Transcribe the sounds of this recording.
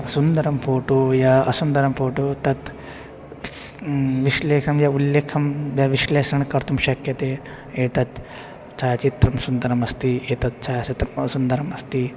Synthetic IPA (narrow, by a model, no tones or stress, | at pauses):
sund̪ɐɾɐmpoːʈujaɐsund̪ɐɾɐmfoːʈut̪ɐt̪ | ʋiʃleːʃɐmjɐulːeːkʰɐmʋjɐʋiʃleːʃɐɳkɐɾt̪ʰumʃɐkjɐt̪eː | eːt̪ɐt̪ | t͡ʃaːt͡ʃit̪ɾɐmsund̪ɐɾɐmɐst̪ieːt̪ɐt̪̚t͡ʃaːɐt͡ʃit̪ɾɐmɐsund̪ɐɾɐmɐst̪i